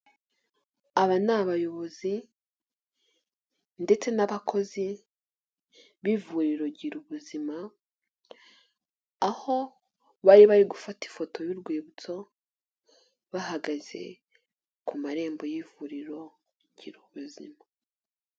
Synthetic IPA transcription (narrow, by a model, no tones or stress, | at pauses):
aβanaβajo̞βo̞zi | nde̞t͡se̞naβakʰo̞zi | βivuɾiɾo̞ɟiɾuβuzima | aho̞ | βaɾiβaɾiɡufati̥fo̞to̞βiɾɡwiːβut͡so̞ | βahaɡaze̞̰ | kumaɾe̞ːmbo̞jivuɾiɾo̞ | ɟiɾuβuzḭma